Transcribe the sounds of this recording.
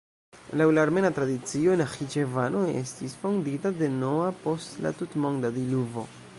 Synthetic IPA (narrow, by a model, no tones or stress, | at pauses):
lawlaːɾme̞natɾadit͡sio̞enaxit͡ʃevanoe̞̰stisfonditade̞no̞apo̞stla̰tutmo̞ŋdadiluvo̞̰